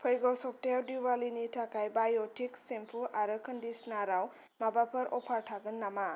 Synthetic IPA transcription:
pʰʌjɡowsɔk̚ʈejawdiwalinitʰakajbajotʰiksempʰuʔaɾɯkʰəndisnaɾaw | mabapʰʌɾʔɔpʰaɾʈʰaɡɯnːama

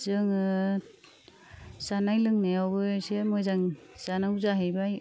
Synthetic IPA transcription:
zɯŋɯ | sanajlɯŋnajawbɯsemɔjzaŋ | z̥anawzaɦɯjbaj

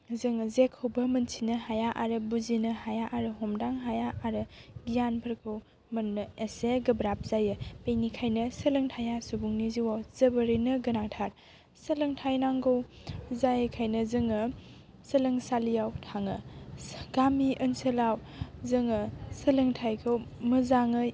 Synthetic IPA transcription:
zɯŋzekʰɯwbɐmɐnsʰinɐɦajaʔaɾɯbuzinɐhajaʔaɾɯɦɔmdaŋɦajaʔaɾɯɡijanpʰɐɾkʰɯw | mɐnːɯeseɡɐbɾap̚ʰz̥ajɯpenikʰajnɐsɐlɯŋtʰajasubuŋniziwawz̥ɐbəɾɯnɐɡɐnaŋtʰaɾ | sɐlɯŋtʰajnaŋɡow | zajkʰajnɐzɯŋɯ | səlɯŋsalijawtʰaŋɯ | ɡ̥amiʔɯnsəlawzɯŋəsɐlɯŋtʰajkʰɯwmɯzaŋɯ

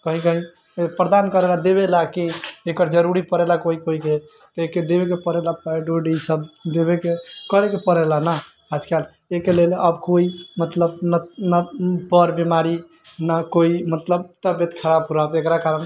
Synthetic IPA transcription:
kəɦĩkəɦĩ | pɾəd̪ankəɾelad̪eβelakiekəɾd͡ʒəɾuɾipəɾelakoikoike | t̪əeked̪eβek̬epəɾelapaɖoɖisəbd̪ebekekəɾekepəɾelana | ad͡ʒkal | ekeleləbkoimət̪ləbnanabəɾbimaɾi | nakoimət̪ləbt̪əbet̪kʰəɾab̚puɾabekɾakaɾən

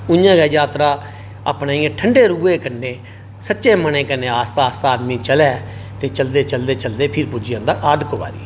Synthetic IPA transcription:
ʊjãːɡɛːjaːt̪ɾaː | ə̰pneːiẽʈʰəɳɖeːɾuːeːkənːeː | sətːʃeːmənẽːkəneːaːst̪aːst̪aːd̪miːt͡ʃəlɛːt̪eːt͡ʃəld̪eːt͡ʃəld̪eːt͡ʃəld̪eːpʰɪɾpʊd͡ʒɪjãːd̪aːʔaːd̪koʋa̰ːɾḭː

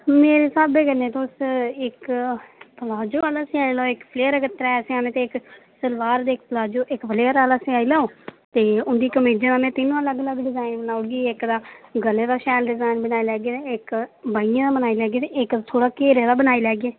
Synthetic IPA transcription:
meːɾeːsaːbeːkənẽːt̪ʊsɪk | pəlaːd͡ʒoːaːlaːsɪaːilaːoɪkpʰleːəɾːkət̪ːɾaɛːseãːnẽːt̪eɪksəlʋaːɾd̪eːɪk̚pəlaːd͡ʒoːʔɪkpʰleːəɾaːlaːseaːilaːoːt̪eːʊnd̪iːkəmeːd͡ʒə̃naːnẽːt̪ɪnũːələɡələɡɖɪzaːinbənaːʊɡiːɪkd̪aːɡəleːd̪aːʃɛːlɖɪzaːɪnbənaːilɛːɡeeɪkbaːijãːd̪aːbənaːilɛːɡeːt̪eɪkd̪aːt̪ʰoːɽaːkeːɾɛːd̪aːbənaːilɛːɡeː

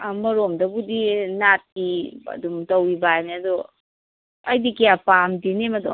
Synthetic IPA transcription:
amɐɾomdɐbudinat̚kiɐ̰dumtɐwibajneɐdɔ | ɐjdikijapamdinemɐdɔ̰

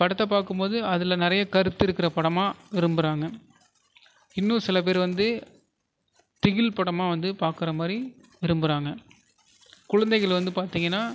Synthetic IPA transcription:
pɐɽɯt̪ːɐpaːɾkɯmpoːðɯɐðɪlɐnɪɾɐjɐkɐɾɯt̪ːɯɪɾɯkːɪɾɐpɐɽɐmaːʋɪɾɯmbɯɾaːŋɡɐ | ɪnːũsɪlɐp̬eːɾʋɐnd̪ɯ | t̪ɪɣɪlpɐɽɐmaːʋɐnd̪ɯpaːɾkɪɾɐmaːd̪ɾi | ʋɪɾɯmbɯɾaːŋɡɐ | kʊɻɐnd̪ɐɪɣɐɭʋɐnd̪ɯpaːɾt̪iːŋɡɐnːaː

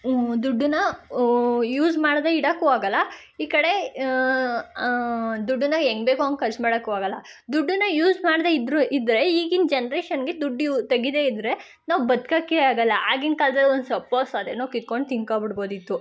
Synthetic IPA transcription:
d̪uɖːunɐ | juːzmaːɽd̪eiɽɐkːuaːɡɐlːɐ | iːkɐɽe̞ | d̪uɖːunɐeŋɡbeːkuaŋkʰɐɾt͡ʃmaːɽɐkːuaːɡɐlːɐd̪uɖːunɐjuːzmaːɽd̪eid̪ɾuid̪ɾe̞iːɡind͡ʒenɐɾeːʃɐnɡed̪uɖːut̪ɐɡid̪e̞ːid̪ɾe̞ | naːʋbɐd̪kakːeaːɡɐlːɐʔaːɡinkald̪ɐd̪ond̪sɐpːoːsad̪enoːkid̪̚ko̞ɳɖ̚t̪iŋɡkaːbiɽbo̞ːd̪it̪ːu

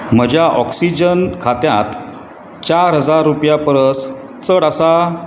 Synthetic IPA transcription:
m̤əd͡ʑjaʔɔksid͡ʑənkʰat̪jat̪ | t͡ɕaɾɦəd͡zaɾːupjapəɾəs | t͡səɽəsa

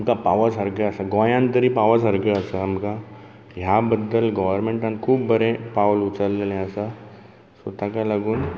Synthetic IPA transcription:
əmkapaʋəsəɾɡəəsaɡõjãnt̪əɾipaʋəsɐɾɡəəsaəmka | jabəd̪ːəlɡəʋəɾmẽɳʈãnkʰuːbːəɾẽpaʋlut͡səɾːelẽəsa | sot̪akalaɡuːn

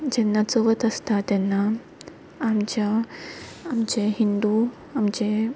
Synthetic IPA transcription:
d͡ʑɛnːat͡soʋət̪əst̪at̪ɛnːaː | mt͡ɕjaː | md͡ʑeɦind̪u | amd͡ʑe

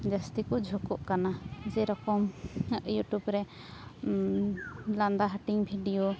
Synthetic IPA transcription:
d͡ʒast̪ikɔd͡ʒʱɔkɔʔkanad͡ʒɛɾɔkɔmjuʈubɾɛ | land̪aɦaʈiŋbʱiɖijo

